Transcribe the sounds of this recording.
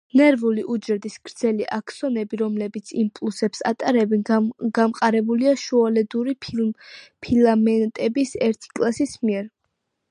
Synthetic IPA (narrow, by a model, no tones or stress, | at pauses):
nɛɾvuliʔud͡ʒɛɾd̪isɡ̥ɾd̪z̥ɛliʔakʰsɔnɛbiɾɔmlɛbit̪sʰimpʼlˠusɛpsa̰t̪ʼaɾɛbɛnɡamqʼaɾɛbuliaʃualɛd̪uɾi | pʰilamɛnt̪ʼɛbisɛɾt̪ʰi̥kʼlˠasismiɛɾ